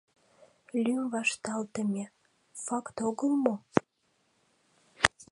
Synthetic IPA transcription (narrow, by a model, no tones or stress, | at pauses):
lʲymvɑʃt̪ɑlt̪əmʲe | fɑkt̪oɣəlmo